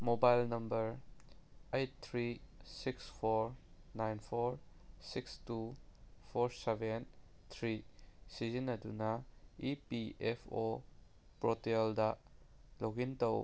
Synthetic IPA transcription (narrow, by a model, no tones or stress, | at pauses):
mobajlnɐmbɐɾ | ejtt̪ʰɾisikspʰɔɾ | najnpʰɔɾ | sikstupʰɔɾseben | t̪ʰɾisizinɐdunɐipiɛpʰo | pɾɔteldɐloɡintɐw